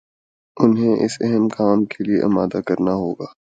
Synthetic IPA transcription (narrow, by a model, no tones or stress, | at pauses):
ʊnɦẽʔɪ̰sɛɦɛmkaːmkʰeliḛʔɪmaːd̪akɐɾnaɦoːɡaː